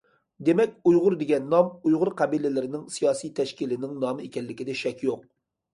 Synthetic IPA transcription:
d̪emɛkʲujʁʊɾd̪eɡʲɛnːɑmujʁʊɾqʰɑbilɪlɪɾɪnɪŋsijɑːsijt̪ʰɛʃkʲilɪnɪŋnɑːmɨekʲɛlːɪkʲid̪ɛʃɛkʲjoq̚

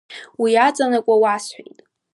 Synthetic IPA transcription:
wiat͡sʼanakʷʼawasħʷa̰jtʼ

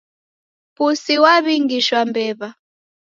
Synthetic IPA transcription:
pusiwaβiŋɡiʃwambɛːβa

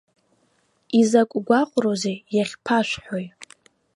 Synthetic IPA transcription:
izakʷʼɡʷaqʷʼrozejaχʲpʰaʃᶣʷħoj

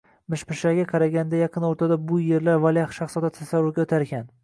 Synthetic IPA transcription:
mɪʃpɪʃlaɡʲaqʰɑɾaɡʲand̪ajɑqʰɨnoɾt̪ʰad̪abʊje̞ɾlaɾvalˠjaχʃaχsɒd̪at̪ʰasavːʊɾɡʲaot̪ʰaɾɡʲan

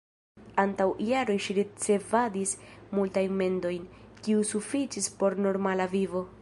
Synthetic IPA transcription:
antawijaɾo̞jʃiɾit͡se̞vadismultajnme̞ndo̞jnkiusufit͡ʃispo̞ɾno̞ɾmalavivo̞

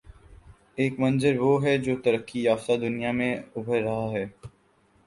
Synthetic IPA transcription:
eːkmɐ̃nzəɾʋoːɦɛd͡ʒoːt̪ɐɾəkːijaːfsad̪ʊnijamẽʊbʱəɾːɐɦaɦɛː

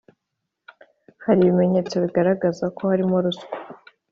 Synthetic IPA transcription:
haɾiβime̞ɲe̞t͡so̞βiɡaɾaɡazakʰo̞haɾimoɾuskḁ

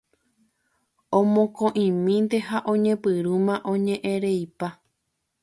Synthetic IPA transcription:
õmõkõʔĩmĩnd̪e̞haʔõ̞ɲẽ̞pɨɾumãʔõɲẽʔẽɾejpa

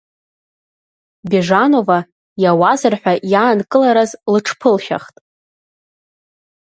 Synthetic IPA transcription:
bʲeʐano̞va | jawazɨrħʷᶣajaːnkʼɨlaɾazlɨʈ͡ʂʰpʰɨlʃa̰χtʼ

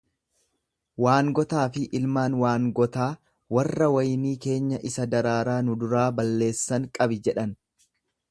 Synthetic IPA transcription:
waːŋɡɔt̪aːfɪʔɪlmaːnwaːŋɡɔt̪aː | wɐrːɐwɐjniːke̞ːɲːɐʔɪsɐd̪ɐɾaːɾaːnʊd̪ʊɾaːbɐlːe̞ːsːɐŋkʼɐbɪd͡ʒɛᶑɐn

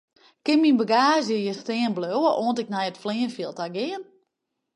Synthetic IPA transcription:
kɪnminbəɡaːzjəjəsteənbløwəʔoəntɪk̚nɛjətfliənfjiəlˠtaɡɪən

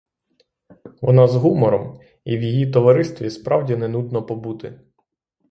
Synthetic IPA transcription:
ʋɔnɑzɦumɔɾɔm | iwjijit̪ɔʋɐɾɪst̪ʋʲispɾɑwdʲinɛnud̪nɔpɔbut̪ɪ

